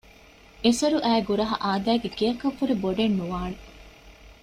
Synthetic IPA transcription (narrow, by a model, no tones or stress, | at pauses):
esɐɾuʔæːɡuɾɐɦɐ̰ʔaːd̪æːɡekijɐkɐʋːuɾeboɖenːuʋaːne